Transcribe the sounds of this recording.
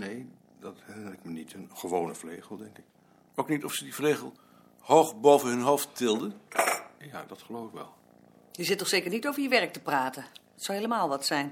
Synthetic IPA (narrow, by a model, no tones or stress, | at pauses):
nej | dɑthɛəlɛkmanitənχəʋownəvlejχəlˠdɛŋkɪk | owknitɔfsədivlejχəlˠ | howχbowvənɦɵnɦowfttɪlˠdənjaːdɑtχəlowvɪkʋɛ̰lˠ | jəzɪtːɔχsejkəɹnitowvəɹjəʋɛɹk̚təpraːtən | ɑtsɔwɦeləmaːlˠʋɑtsɛjn